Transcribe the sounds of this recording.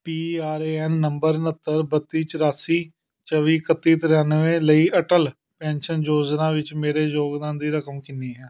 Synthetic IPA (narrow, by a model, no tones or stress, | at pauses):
piːaːɾeːɛːnːəmbəɾnət̪ːəɾbət̪ːiːt͡ʃəɾaːsiː | t͡ʃəʋiːkət̪ːiːt̪əɾaːnʋẽːləiːʔəʈəl | pɛ̃ːnʃənd͡ʒoːd͡ʒnãːʋɪt͡ʃmeːɾeːd͡ʒoːɡd̪ãːnd̪iːɾəkəmkɪniːɦɛː